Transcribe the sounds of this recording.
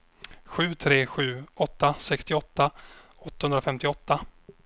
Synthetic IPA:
ɧʉ̟ːt̪ʰɾeːɧʉ̟ːɔt̪ːasɛkst̪ɪɔt̪ːa | ɔt̪ːahɵnd̪ɾafɛmt̪ɪɔt̪ːa

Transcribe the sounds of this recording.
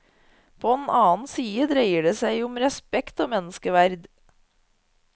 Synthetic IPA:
pʰoːeːnʔɑːn̩siːəd̪ɾeɪəɖeːsæɪʊmɾɛspɛkt̪oːmɛnəskəʋæɾd̪

